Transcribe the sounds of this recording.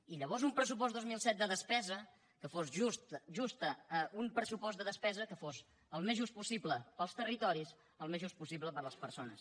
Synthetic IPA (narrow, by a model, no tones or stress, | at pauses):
iʎəβ̞ɔzumpɾəsup̬ɔzd̪ozmilˠsɛt̪̚d̪əðəspɛzə | kəfosust̪ʒust̪əumpɾəsupɔzt̪əðəspɛzəkəfoz | əlˠmezʒust̪pusibləpəlˠst̪ərit̪ɔɾis | əlˠmezʒust̪̚pusiβləpəɾləspəɾsonə̰s